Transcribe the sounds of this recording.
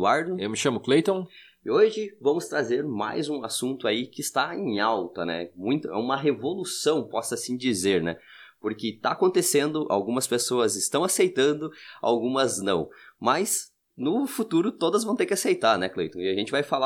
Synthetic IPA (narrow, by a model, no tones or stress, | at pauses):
uaɾd̪ʊewmɪʃɐ̃mʊklejt̪õw̃ | oʒɪvɐ̃mʊst̪ɾazeɾma̰jzũasũnt̪ʊaikɪst̪aẽj̃awt̪ɐnɛ̰mũj̃t̪ʊɛ̰ũmɐɦevolusɐ̃w̃pɔsɐsĩd͡ʒizeɾnɛ̰ | poɾkɪt̪aːkõnt̪esẽnd̪ʊʔa̰wɡũmɐspesoɐzɪst̪ɐ̃w̃asejt̪ɐ̃nd̪ʊa̰wɡũmɐznɐ̰̃w̃mɐz | nʊfut̪uɾʊt̪od̪ɐzvɐ̃w̃t̪eɾkɪasejt̪aɾnɛklḛjt̪õɪaʒẽnt͡ʃɪvajfala